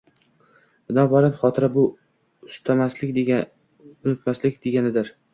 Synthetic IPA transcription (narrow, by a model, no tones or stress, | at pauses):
bɪnɒbɒlanχɒt̪ʰɪɾabʊ | ʊst̪ʰamaslɪk̪ʲ | ʊnɪt̪maslɪkʲd̪e̞ɡʲanɪd̪ɪɾ